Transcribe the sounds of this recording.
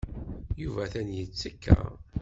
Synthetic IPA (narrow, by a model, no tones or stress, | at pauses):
juvæθænjət͡sːəkːæ̰